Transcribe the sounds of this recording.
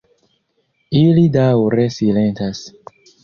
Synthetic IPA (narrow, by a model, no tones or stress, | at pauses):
ilidawɾesilentas